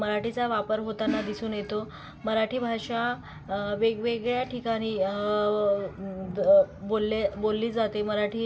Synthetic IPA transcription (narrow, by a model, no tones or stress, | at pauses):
məɾaʈit͡saʋapəɾɦot̪anːad̪isuːnjet̪o | məɾaʈʰiːbʱaɕa | ʋeɡʋeɡɭjaʈʰikaɽ̃iː | bolːebolːiːd͡zat̪eməɾaʈʰiː